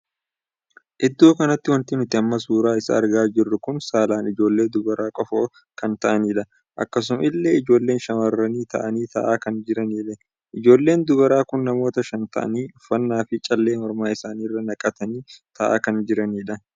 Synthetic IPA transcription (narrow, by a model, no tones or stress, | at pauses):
ʔɪd̪ːoːkɐnɐt̪ːɪwɐnt̪ɪnʊt̪ːɪɐmːɐs̬uːɾaːɪsɐ̰ːɾɡaːd͡ʒɪrːʊkʊnsaːlaːnɪd͡ʒo̞ːlːe̞ːd̪ʊɡɐɾaːkʼɔfo | kɐnt̪ɐʔɐniːᶑɐ | ʔɐ̰kːɐs̬ʊmɪlːe̞ːɪd͡ʒo̞ːlːeːnʃɐmɐrːɐniːt̪ɐ̰ʔɐniːt̪ʰɐ̰ʔaːkɐnd͡ʒɪɾɐniːlɛ | ʔɪd͡ʒo̞ːlːe̞ːnd̪ʊɡɐɾaːkʊnːɐmo̞ːt̪ɐʃɐnt̪ɐ̰ʔɐ̰niːʊfːɐnːaːfɪt͡ʃʼɐlːe̞ːhɔɾmaːɪsaːniːrːɐnɐkʼɐt̪ɐniːt̪ʰɐʔa̰ːkɐnd͡ʒɪɾɐniːᶑɐ